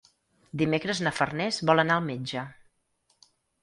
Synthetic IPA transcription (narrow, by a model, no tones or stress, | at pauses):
d̪imekɾəznəfərnɛzβɔlˠənaəlˠmed͡ʒə